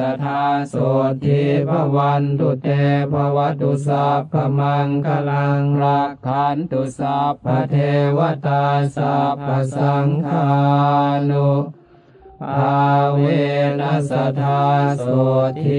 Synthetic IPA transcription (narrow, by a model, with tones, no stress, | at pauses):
a˧t̪ʰaː˧so˨˩t̪ʰːi˧pʰa˧wa˧nt̪u˧t̪e˧pʰa˧wa˧˥t̪ːu˧sa˧p̚ʰːa˧ma˧ŋka˧la˧ŋɾa˧a˧nt̪u˧sa˧pʰːa˧t̪ʰe˧wa˧˥t̪aː˧sa˧p̚ka˧sa˧ŋkʰa˧nu˧ | pʰa˧we˧na˧˥sa˧t̪ʰaː˧so˨˩˨t̪ʰ